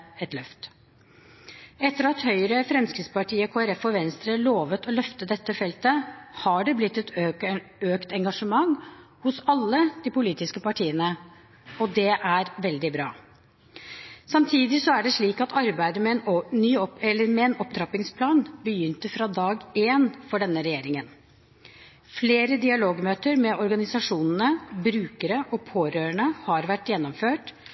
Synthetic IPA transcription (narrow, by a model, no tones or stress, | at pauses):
ɛt̪lœft̪ | ɛt̪ːəɾɑt̪hœʏɾəfɾɛmskɾɪt̪spɑʈʰiːəɔkʰoːɛɾɛfɔʋɛnst̪ɾəloːʋət̪ɔlœft̪əd̪ɛt̪ːəfɛlt̪əhɑɖɛblɪt̪ːɛt̪ | øːkt̪ɛŋɡɑʂəmɑŋhʊsɑlːəd̪̥ipʊliːt̪ɪskəpɑʈʰiːənə | ɔd̪ɛʔæɾʋɛld̪ɪbɾɑ̰ː | sɑmt̪ʰiːd̪ɪsɔæɖɛʂɭiːkɑt̪ʰɑɾbæɪd̪əmɛɛnnyːɔɛlːəɾmɛɛnɔpt̪ʰɾɑpɪŋspʰlɑːnbəjʏnt̪əfɾɑd̪ɑːɡeːnfɔɖɛnːəɾɛjeːɾɪŋən | fleːɾəd̪ɪɑloːɡmøːt̪əɾmɛʔɔɾɡɑnɪsɑʂuːnənəbɾʉːkəɾəʔɔpʰoːɾøːɾəɳəhɑɾʋæʈːjɛnːɔmføːʈ